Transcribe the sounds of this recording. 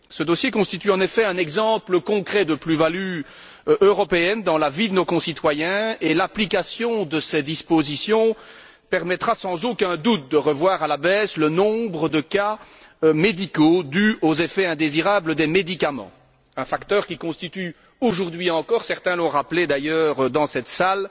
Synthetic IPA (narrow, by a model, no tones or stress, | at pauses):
səd̪osjekɔ̃st̪it̪yɑ̃nefɛɛ̃nɛɡzɑ̃pləkɔ̃kχɛd̪əplyvaly | ʔøʁɔpeɛnd̪ɑ̃lavid̪ənokɔ̃sit̪wajɛ̃elaplikasjɔ̃d̪əsɛd̪ispozisjɔ̃ | pɛʁmɛt̪χasɑ̃zokɛ̃d̪ut̪̚d̪əʁəvwaːʁalabɛːslənɔ̃bʁəd̪əkaømed̪ikod̪yozefɛɛ̃d̪eziʁabləd̪ɛmed̪ikamɑ̰̃ | ɛ̃fakt̪œːʁkʲikɔ̃st̪it̪y | oʒuʁd̪ɥiɑ̃kɔːʁsɛʁt̪ɛ̃lɔ̃ʁapled̪ajœːʁd̪ɑ̃sɛt̪sal